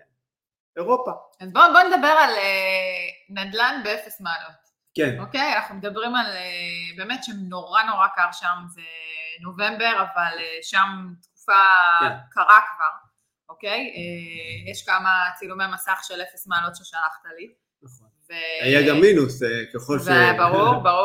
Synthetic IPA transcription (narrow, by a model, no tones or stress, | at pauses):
eʁopa | azboboned̪abe̞ʁale | nadlanbeefesmaːlo̞t | kenoke̞janaχnumed̪abʁimalebe̞ːmetʃemno̞ʁano̞ʁakaʁʃamzeno̞ve̞mbe̞ʁavaleʃamt̪ku̥fakaʁakkaʁ | ʔoke̞jejeʃkamat͡silumemasaχʃelefesmaːlotʃeʃalaχt̪ali | naχonveajaɡamːinusekeχolʃveaabaʁuʁbaʁu